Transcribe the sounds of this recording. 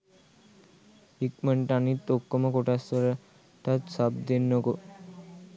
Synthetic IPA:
ikməɳʈanit̪ːokːomakoʈasɔɾa | ʈat̪sab̚d̪enːoko

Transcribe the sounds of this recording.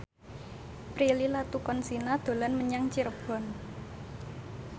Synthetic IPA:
pɾililat̪ukɔnsinad̪̥o̤lanməɲaŋt͡ʃiɾəb̥ɔ̤n

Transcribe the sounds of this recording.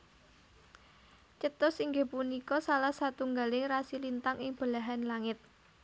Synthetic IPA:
t͡ʃət̪ʊsiŋɡe̤punikɔsalahsat̪uŋɡalɪŋrasilint̪aŋɪŋb̥əlaɦanlaŋɪt̪̚

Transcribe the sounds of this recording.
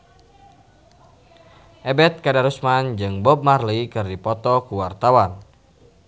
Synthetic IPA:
ʔɛbɛt̪̚kadaɾusmand͡ʒɨŋbɔp̚marlikɨrdipɔt̪ɔkuwart̪awan

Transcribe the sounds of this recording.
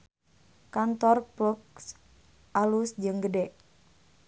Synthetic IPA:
kant̪ɔrpluk̚s | ʔalusd͡ʒɨŋɡədɛʔ

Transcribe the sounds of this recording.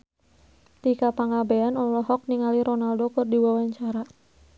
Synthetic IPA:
t̪ikapaŋabeanɔlɔɦɔk̚niŋaliɾɔnaldokərdiwawaɲt͡ʃaɾa

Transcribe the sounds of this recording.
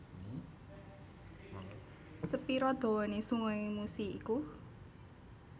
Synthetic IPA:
səpiɾɔd̪̥o̤wɔnesuŋɔimusiiku

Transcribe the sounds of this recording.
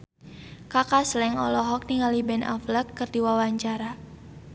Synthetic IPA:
kakaslɛŋɔlɔɦɔk̚niŋalibɛnʔa̰fləkːɨrdiwawaɲt͡ʃaɾa

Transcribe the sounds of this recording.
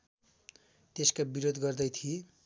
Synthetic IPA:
t̪eskabiɾod̪ɡʌrd̪ʌjt̪ʰie

